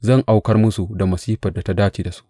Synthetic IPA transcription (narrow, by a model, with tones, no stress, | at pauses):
zɐ˦˨ŋʔa˦wkɐ˦rmʊ˦su˨da˨mɐ˨siː˦ɸɐ˨da˨ta˦daː˦t͡ʃiː˨da˨su̥˦ʔ